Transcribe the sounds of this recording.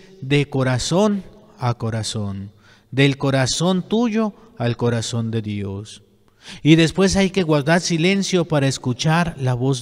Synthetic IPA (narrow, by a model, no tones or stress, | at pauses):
d̪ekoɾason | akoɾason | d̪elkoɾaso̞nt̪uʝo | alkoɾasond̪eðjos | iðe̞spwe̞s̬ajkeɣwaɾd̪aɾsile̞nsjopaɾaeskut͡ʃaɾlaβoz